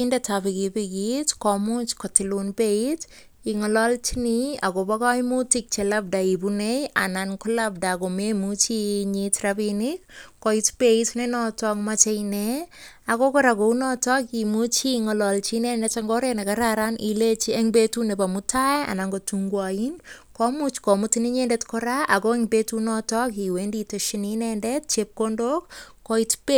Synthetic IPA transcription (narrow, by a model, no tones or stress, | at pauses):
indatapikipikitkɔmut͡ʃkɔtilunpeit | iŋɔlɔlt͡ʃiniakobakaimutik̚t͡ʃɛlab̚daibuneja̰nankɔlab̚dakomemut͡ʃiɲitrabinikkɔitpeitnenɔtɔkmat͡ʃeneakokɔɾakounɔtɔkimut͡ʃiŋɔlɔlt͡ʃinɛndɛt͡ʃaŋɡɔɾenakaɾaɾanʔilet͡ʃieŋbetunepamutaɛa̰naŋɡotuŋɡwain | kɔmut͡ʃkɔmutiniɲendetkɔɾaʔakoeŋbetunɔtɔk̬iwenditoʃininɛndɛt̚t͡ʃep̚kondokː | ɔitpe